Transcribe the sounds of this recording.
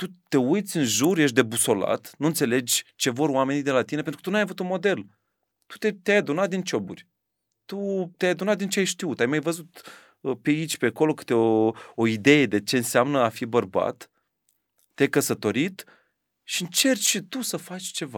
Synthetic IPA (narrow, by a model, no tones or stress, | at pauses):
t̪ut̪e̞ujt̪sʲɨnʒurjeʃ̬t̪d̪e̞buso̞la̰t̪nunt̪se̞le̞d͡ʒʲt͡ʃe̞vo̞ɾwame̞nid̪e̞lat̪ine̞penɾkət̪unuajavut̪unmod̪e̞l | t̪u̥t̪et̪eajad̪unat̪̚d̪int͡ʃo̞bṵrʲ | t̪ut̪eajad̪unat̪̚d̪int͡ʃeajʃt̪iut̪ajmajvəzut̪ | peit͡ʃʲpeako̞lo̞kɨ̥t̪eooid̪e̞je̞d̪e̞t͡ʃe̞ɨnseamnəafibərba̰t̪ː | eajkəsət̪o̞ɾit̪ | ʃiɨnt͡ʃe̞rt͡ʃʃit̪usəfat͡ʃʲt͡ʃe̞va̰